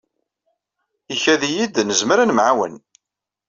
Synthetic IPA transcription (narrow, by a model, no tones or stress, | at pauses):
içæðijid̪nəzməɾənmʕawə̰n